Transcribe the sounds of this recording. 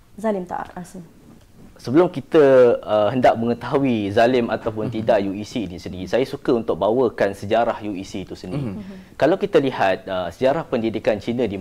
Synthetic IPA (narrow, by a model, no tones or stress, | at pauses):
zalɪmt̪a̰ʔa̰t̪ | səbəlʊmkit̪əəɦəndaʔ̚mə̃ŋət̪aɦuizalɪmat̪awpʊnt̪idaʔjuisiːnisənisajasukəunt̪ʊk̚bawəkansəd͡ʒaɾahjuisit̪usənĩ | kalawkit̪əlihat̪̚əsəd͡ʒaɾahpəndidikant͡ʃinə̃di